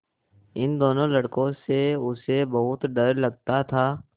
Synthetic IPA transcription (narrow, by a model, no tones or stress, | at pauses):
ɪnd̪oːnõlɐɽkõseʊsebɐɦʊt̪ɖɐɾlɐɡ̚t̪at̪ʰaː